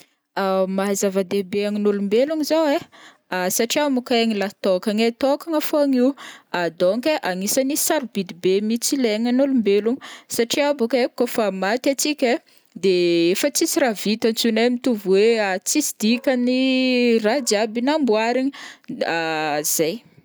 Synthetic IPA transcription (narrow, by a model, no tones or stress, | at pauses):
amazavad̪ebeaŋinulumbeluŋizawe | asaʈ͡ʂiamukaaŋilat̪okaŋet̪okaŋafoaŋiwad̪oŋkeʔaŋisanisaɾubid̪ibemit͡sileŋanulumbeluŋi̥saʈ͡ʂiabukekofamat̪at͡sikʲe | d̪eefət͡sisiɾavit̪ant͡sunemit̪uvweat͡sisid̪ikʲanirad͡ʒabinambuaɾiɲiaz̥aj